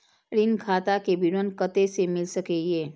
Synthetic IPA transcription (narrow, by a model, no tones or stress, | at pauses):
ɾɪnkʰaːt̪akebɪɾənkət̪esemɪlsəkejeː